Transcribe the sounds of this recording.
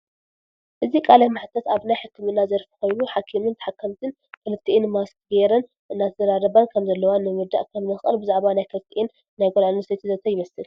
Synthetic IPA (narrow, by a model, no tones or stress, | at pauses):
ʔɨzikʼalamaħt̪ʰːɐt̪aβnajħɨkʰːɨmɨnːazɐɾfu̥kojnuħakʰimɨnt̪ʰɐ̥ħakʰːɐmt̪ʰɨn | kʰɐlɨt̪ʰːiʔinɨmawskɡeɾɐn | ʔɨnːat̪ʰɨzɐɾaɾɐβankʰɐmzɐlːɐwanːɨmɨɾd̪a̰ʔkʰɐmnɨɨ̰ɾbɨzaʕβanajkʰɐlɨt̪ʰːiʔinː | ajɡolaʕanɐɾset̪ʰizɐt̪ʰɐjɪmɐsɨl